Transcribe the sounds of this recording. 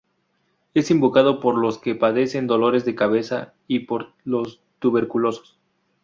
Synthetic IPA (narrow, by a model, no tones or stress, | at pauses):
e̞simbokað̞o̞po̞ɾlo̞ske̞paðe̞se̞nd̪o̞lo̞ɾe̞zðe̞kaβe̞sa | ipoɾ | lo̞s | t̪uβe̞ɾkulo̞so̥s